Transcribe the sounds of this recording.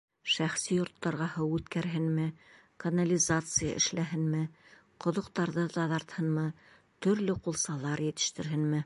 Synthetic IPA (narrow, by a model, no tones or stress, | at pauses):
ʃæχsijŏɾt̪ːɑɾʁɑhɤwʉt̪kæɾɦɘnmɘ | kɐnɐlʲizat̪sɨjə̰ʔɘ̰̆ʃlæɦɘnmɘ | qŏðŏqt̪ɑɾðɤt̪ɑðɑɾt̪hɤnmɤ | t̪ɵ̆ɾlɘqulˠsɑlˠɑɾjɘ̆t̪ɘ̥̆ʃt̪ɘ̆ɾɦɘnmɘ